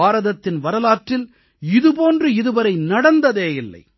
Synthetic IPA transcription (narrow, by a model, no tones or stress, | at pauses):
aːɾɐðɐt̪ːɪnʋɐɾɐlaːʈrɪl | ɪðɯpoːndrɯɪðɯʋɐɾɐɪnɐɽɐnd̪ɐðeːjɪlːɐ̰ɪ